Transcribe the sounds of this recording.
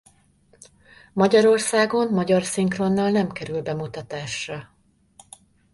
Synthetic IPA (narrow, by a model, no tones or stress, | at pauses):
mɒɟɒɾo̞rsaːɡo̞nmɒɟɒrsiŋkro̞nːalnɛmkɛɾylbɛmut̪ɒt̪aːʃrɒ